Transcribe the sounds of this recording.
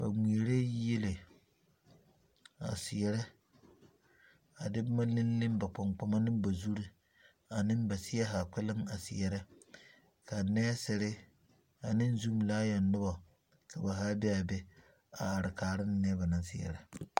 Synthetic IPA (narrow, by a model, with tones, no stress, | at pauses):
ba˨mi˨e˨ɾe˦je˦le˨ | a̰˨sɪ˨jɛ˨ɾɛ˦ | a˨dɪ˦bma˦lɪ˦n˦lɪ˦mba˨k͡pɔ˨ŋk͡pa˨ma˦nɪ˦mba˨zu˦ɾi˦ | a˨nɪ˦mba˨sɪ˦ɛ˦ɦa˨k͡pɪ˦lɪ˦ŋa˨sɪ˨jɛ˨ɾɪ˦ | ka˨nɛː˦sɪ˨ɾɪ˦ | a˨nɪ˦n˦zu˦m˨laː˦jɔ˨nːʊ˦ba˨ | ka˨ba˨ɦa˦bɛ˦a˨bɛ˦ | a˨a˨ɾɪ˨kaː˨ɾɪ˦n˦nɛ˦ba˨nɪ˨n˦sɪ˦˨ɛ̰˨ɾɛ˨